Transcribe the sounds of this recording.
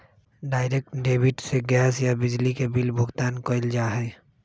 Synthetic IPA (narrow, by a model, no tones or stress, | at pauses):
ɖaːɪɾeːk̚ʈɖeːbɪʈseɡɛːsjabɪd͡ʒlikebɪlbʱʊɡt̪aːnkoɪld͡ʒaːɦɛː